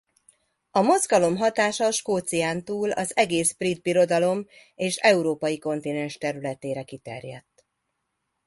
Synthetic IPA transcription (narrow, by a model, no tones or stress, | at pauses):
ɒmo̞zɡɒlo̞mɦɒt̪aːʃɒʃkoːt̪sijaːnt̪uːlɒ̰zɛɡeːsbrid̪̚biɾo̞d̪ɒlo̞m | eːʃɛuɾoːpɒjiko̞nt̪inɛnʃt̪ɛɾylɛt̪eːɾɛkit̪ɛ̰rjɛ̰t̪ː